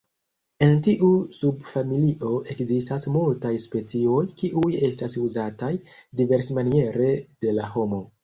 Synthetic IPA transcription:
e̞ntiʔusubfamiliʔo̞ʔe̞kzistasmultajspe̞t͡sio̞jkiʔuje̞stasuzatajdive̞ɾsemanie̞ɾe̞d̥e̞laho̞mo̞

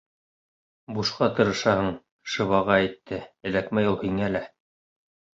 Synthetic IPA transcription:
buʃqɑt̪ɤ̆ɾɤ̆ʃɑhɤɴ | ʃɤ̆βɑʁɑæt̪ːɘɘ̆lækmæjulˠhiŋælæ

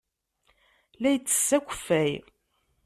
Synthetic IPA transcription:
læjət͡sːə̥sːækʷːə̥fːæj

